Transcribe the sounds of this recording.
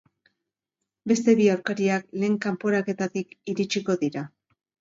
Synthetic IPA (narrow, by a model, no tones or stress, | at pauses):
be̞st̪e̞βiawɾkaɾiakle̞ːŋkampo̞ɾake̞t̪at̪ikiɾit͡ʃiko̞ðiɾa